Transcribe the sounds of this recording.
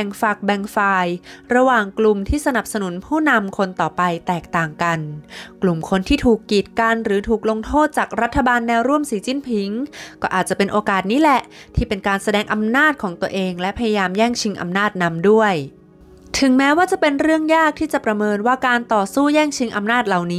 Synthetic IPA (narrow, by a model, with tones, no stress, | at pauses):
ŋfa˨˩k̚bɛ˨˧˩ŋfaː˧jɾa˧waː˨˩ŋklu˨˩mt̪ʰiː˥˩sa˧na˨˩p̚sa˧nu˩˦npʰuː˥˩na˧mkʰo˧nt̪ɔː˨˩pa˧jt̪ɛː˨˩k̚t̪aː˨˩ŋka˧nklu˨˩mkʰo˧nt̪ʰiː˥˩t̪ʰuː˨˩kːiː˨˩t̪̚ka˧nɾɯː˩˦t̪ʰuː˨˩k̚lo˧ŋt̪ʰoː˥˩t̪̚t͡ɕaː˨˩k̚ɾa˦˥t̪ʰːa˧baː˧nːɛː˧wɾu˥˩əmsiː˨˦t͡ɕi˥˨npʰi˨˩˦ŋkɔː˥˩ʔaː˨˩t̪̚t͡ɕa˨˩pe˧nʔoː˧kaː˨˩t̪̚niː˦˥lɛ˨˩t̪ʰiː˥˩pe˧nkaː˧nsa˧dɛː˧ŋʔa˧mnaː˥˩t̪̚kʰɔː˩˦ŋt̪u˧əʔeː˧ŋlɛ˦˥pʰa˧ja˧jaː˧mjɛː˥˩ŋt͡ɕʰi˧ŋʔa̰˧mnaː˥˩t̪̚na˧˥mdu˥˩əj | t̪ʰɯ˨˩˦ŋmɛː˦˥waː˥˩t͡ɕa˨˩pe˧nɾɯ˥˩əŋjaː˥˩k̚t̪ʰiː˥˩t͡ɕa˨˩pɾa˧mɤː˧nwaː˥˩kaː˧nt̪ɔː˨˩suː˥˩jɛː˥˩ŋt͡ɕʰi˧˦˥ŋʔa˧mnaː˥˩t̪̚la˨˩wniː˦˥